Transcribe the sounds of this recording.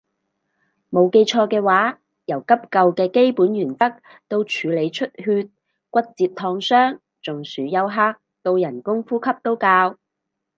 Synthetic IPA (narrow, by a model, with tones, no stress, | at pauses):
mo˨˧wke˧jt͡ʃʰɔː˧kɛː˧waː˨˥ | jɐ˨˩wkɐ˥p̚kɐ˧wkɛː˧ke˥jpuː˨˥njyː˨˩nt̪ɐ˥k̚ | t̪o˧wt͡ʃʰyː˨˧le˨˧jt͡ʃʰɵ˥t̚ɦyː˧t̚ | kʷɐ˥t̚t͡siː˧p̚t̪ʰɔː˧ŋsœː˥ŋ | t͡sʊ˨ŋsyː˨˥jɐ˧wɦaː˥k̚ | t̪o˧wjɐ˨˩nkʊ˥ŋfuː˥kʰɐ˥p̚t̪o˥wkaː˧w